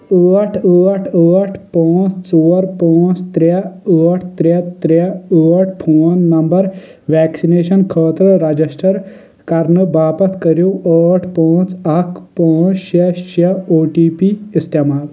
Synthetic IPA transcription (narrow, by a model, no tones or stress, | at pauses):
əːʈʰəːʈʰəːʈʰpãːt͡st͡soːɾpãːt͡st̪ɾaəːʈʰt̪ɾet̪ɾaəːʈ̚ʰpʰoːnːɐmbɐɾ | ʋɛːksineːʃɐnkʰəːt̪ɾəɾɐd͡ʑisʈɐɾ | kɐɾnɨbaːpɐt̪ʰkɐɾjoəːʈʰpãːt͡sɐkpãːt͡sʃɐʃɐoːʈiːpiist̪emaːl